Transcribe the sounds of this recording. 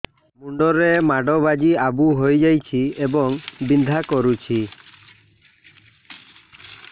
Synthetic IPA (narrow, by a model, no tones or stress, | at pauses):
muɳɖɔɾemaɖɔbad͡ʒiabuɦojd͡ʒajt͡ʃʰiebɔŋbind̪ʱakɔɾut͡ʃʰi